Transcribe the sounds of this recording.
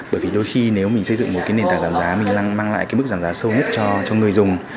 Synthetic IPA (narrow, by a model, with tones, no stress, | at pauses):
ɓəː˧˩jvi˨˩ɗo˧jxi˧ne˨˦wmi˨˩ŋ̟sə˧jzɨ̰˧˨ŋmo˨˩t̚kaː˨˦jne˨˩nt̪aː˨˩zaː˧˨˩mzaː˨˦mï˨˩ŋ̟laː˧ŋmaː˧ŋla̰ː˧˨jkaː˨˦mɨ˦˥k̚zaː˧˩mzaː˨˦sə˧wɲə˦˥t̚t͡ɕɔ˧t͡ɕɔ˧ŋ˨˩əjzʊ˨˩ŋ͡m